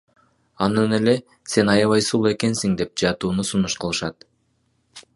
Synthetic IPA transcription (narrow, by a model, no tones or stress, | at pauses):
ɑnɯne̞le̞ | se̞nɑjɑβɑjsulˠe̞ke̞nsiŋd̪e̞p̚d͡ʒɑt̪uːnusunuʃqʰɯlˠɯʃɑt̪